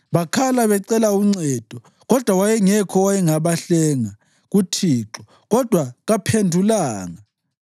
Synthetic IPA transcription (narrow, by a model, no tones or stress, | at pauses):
βakʰalaβɛǀɛlauŋ͡ǀɛd̥ʱɔ | ɣɔd̥ʱwawajɛŋɛkʰɔwajɛŋaβaɬɛŋa | ɣutʰiːǁɔ | ɣɔd̥ʱwaɣapʰendʱulaːŋa